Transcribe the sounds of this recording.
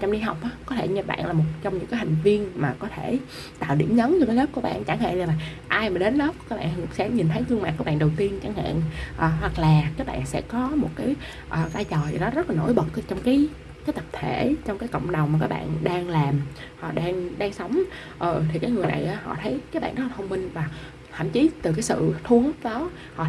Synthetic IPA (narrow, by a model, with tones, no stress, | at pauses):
t͡ɕɔ˧wŋ͡mɗi˧ɦa˨˩wk͡p̚ʔaː˨˦kɔ˨˦t̪ʰe˧˩ɲɨ˧˩ɓa̰ː˧˨nlaː˨˩mo˨˩t̚t͡ɕɔ˧wŋ͡mɲɨ̰˧˥ŋkaː˨˦jha˨˩jŋ̟vi˧ənmaː˨˩kɔ˨˦t̪ʰe˧˩ | t̪a̰ː˧˨wɗḭ˧˩əmɲə˨˦nɲɨ˧t̪e˨˦ləː˦˥p̚ku˧˩əɓa̰ː˧˨nt͡ɕa˧˩ŋha̰ː˧˨la˧˩la˨˩ | ʔaː˧jmaː˨˩ɗe˨˦nlə˦˥p̚kaː˨˦˥ɓa̰ː˧˨sɛ̰˧˥ɲi˨˩nt̪ʰə˨˦jt̪ɨ˧əŋmaː˨˩tkːɓa̰ː˧˨nɗə˨˩wt̪i˧ənt͡ɕa˧˩˦ŋha̰ː˧˨nʔəː˨˩ɦwa˨˩k̚laː˨˩kaː˨˦ɓa̰ː˧˨nsɛ̰˧˥kɔ˨˦mo˨˩t̚kaː˨˦j | ʔəː˨˩zaː˧jt͡ɕɔː˨˩ja˨˩ɗɔ˨˦zə˦˥laː˨˩no̰˧˥˨jɓə˨˩t̚t͡ɕɔ˧wŋ͡mkaː˨˦j | kaː˨˦jt̪ə˨˩p̚t̪ʰe˧˩t͡ɕɔ˧wŋ͡mkaː˨˦jkə̰˧˨wŋ͡mɗwŋ͡ma˨˩k̬aː˦˥ɓa̰ː˧˨nɗaː˧ŋlaː˨˩m | hɔ̰˧˨ɗaː˧ŋɗaː˧ŋsə˨˦wŋ͡m | ʔəː˨˩t̪ʰi˨˩kaː˨˦jŋɨ˨˩əjna̰˨˩jʔaː˨˦hɔ̰˧˨t̪ʰə˨˦jkaː˨˦jɓa̰˧˨nɗɔ˨˦ɔ˧˨˩tʰə˧wŋ͡mmï˧ŋvaː˨˩ | t̪ʰa̰˧˨mt͡ɕi˨˦t̪ɨ˨˩kaː˨˦jsɨ̰˧˨t̪ʰu˧˦əŋh̚ɗɔ˨˦ | hɔ̰˧˨